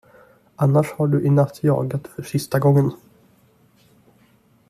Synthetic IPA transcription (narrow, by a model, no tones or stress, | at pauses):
ʔanːaʂhaɖɵʔɪnat̪ʰːjɑ̰ːɡat̪fœʂɪst̪aɡɔŋːən